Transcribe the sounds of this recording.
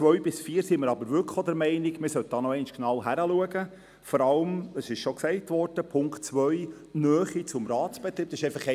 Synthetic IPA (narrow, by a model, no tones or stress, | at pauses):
t͡sʋœɥbɪsfiːɾsiməɾɑbəɾʋʏlkodɛɾmɛɪniɡmɪsœt̚d̥ɑːnɔɛɪnʃknɑwɦæɾəluəɡə | fɔɾɑləməsɪʃʃɔksɛɪtʋɔɾd̥əpʰʊŋktt͡sʋœɥ | nœːχit͡sʊmɾɑːtsb̥ɛt̪ɾiːb̥̪̚ɑsɪʃɛɪfɑχɛ